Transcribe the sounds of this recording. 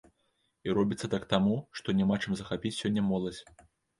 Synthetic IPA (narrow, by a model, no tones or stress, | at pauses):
iɾɔbʲit̪sːɐt̪akt̪amuʂt̪ɔnʲɛmat͡ʂɨmzɐxapʲit͡sʲsʲɔnʲːɐmɔlˠɐd͡zʲ